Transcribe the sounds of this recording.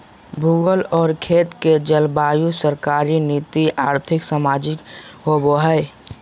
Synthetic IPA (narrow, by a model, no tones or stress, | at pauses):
bʱʊɡəlɔːɾkʰeːt̪ked͡ʒəlbaːjusəɾkaːɾiniːt̪iʔaːɾt̪ʰɪksamaːd͡ʒɪkɦoboɦəɪ